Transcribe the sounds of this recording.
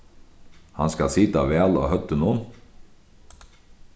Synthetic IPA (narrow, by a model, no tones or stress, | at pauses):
hɑ̰nskɑlsɪt̪ɑʋeːɑlo̰ːhœt̪ənuːn